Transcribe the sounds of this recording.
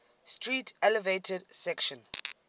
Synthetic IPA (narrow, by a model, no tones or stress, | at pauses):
stʰɹitʰɛlɛvetʰɛdsɛkʃɔ̃n